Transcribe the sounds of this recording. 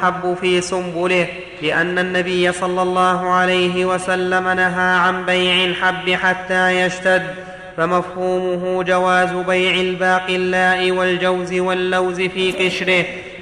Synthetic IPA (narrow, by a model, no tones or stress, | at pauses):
ħabːʊfiːsʊmbʊlɪh | lɪʔanːanːabɪjːasˤɑlːɑlˤːɑːɦʊʕalajɦɪwasalːamanaɦaːʕanbajʕɪlħabːɪħat̪ːaːjaʃt̪ad̪ː | famafhuːmʊɦʊd͡ʒawaːzʊbajʕɪlbaːqɪlːaːʔɪwald͡ʒawzɪwalːawzɪfiːqɪʃɾɪh